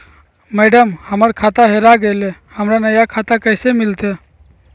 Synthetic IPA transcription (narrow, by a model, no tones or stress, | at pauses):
mɛːɖəmhəməɾkʰaːt̪aɦeɾaɡəjlehəmɾanəjakʰat̪akəɪsemɪlt̪ʰe